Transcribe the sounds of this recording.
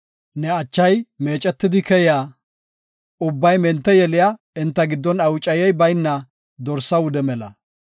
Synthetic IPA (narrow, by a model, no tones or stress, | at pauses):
nɛɐt͡ʃːɐjme̞ːt͡ʃʼɛt̪ːɪd̪ɪkɛja | ʊbːɐjmɛnt̪ːɛjɛlɪja | ɪnt̪ːɐɡɪd̪ːɔnɐwʊt͡ʃʼːɐjɛjbɐjnːɐ | d̪ɔɾsːɐwʊd̪ɛmɛlɐ̰